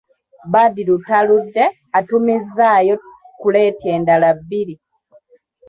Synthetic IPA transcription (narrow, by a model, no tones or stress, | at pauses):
baːdilutaludːe | atumizːaːjo̞ | kule̞ːtjeːndalabːiɾi